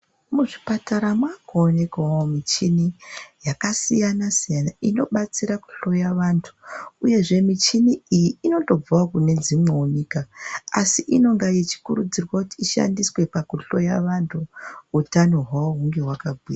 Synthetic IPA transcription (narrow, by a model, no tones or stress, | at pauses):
muʐipataɾamwakoːne̞kaomit͡ʃinijakasijanasijanaino̞ɓat͡siɾaku̥ɬo̞jaʋaːntʰu̥uje̞ʐe̞mit͡ʃiniijiino̞to̞b͡vuakune̞d͡zimweunikaːsiʔino̞ŋɡajet͡ʃi̥kurud͡zirwakutiːʃa̰ndiswe̞pakuɬo̞ja̰ʋantʰuutanoɦwaoɦuŋɡe̞ɦwakabʱwiːra